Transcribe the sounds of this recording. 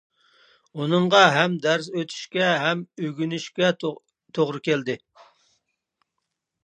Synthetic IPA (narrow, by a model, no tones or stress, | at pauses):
unɨɴʁɑɦɛmd̪æɾsøt̪ʰy̥ʃkʲɛɦɛmøɡʲynyʃkʲɛ | t̪ʰoʁɾɨkʲeld̪ɪ